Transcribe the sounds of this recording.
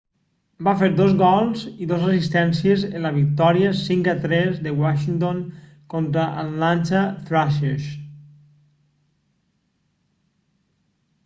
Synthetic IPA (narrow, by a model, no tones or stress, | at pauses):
bafeɾd̪ozɣɔlˠziðozəsist̪ɛnsiəzənləβ̞ik̚t̪ɔɾiəsiŋkat̪ɾɛzðəwaʃint̪oŋ | kont̪ɾəʔalant͡ʃaθɾaʃeʃ